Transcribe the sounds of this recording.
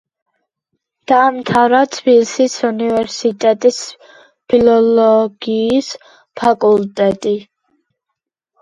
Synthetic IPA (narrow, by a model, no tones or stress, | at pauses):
d̪̥aːmt̪ʰaɾat̪ʰbilsisunivɛɾsit̪ʼɛt̪ʼis | pʰilɔlɔɡ̥iːs | pʰakʼult̪ʼɛt̪ʼi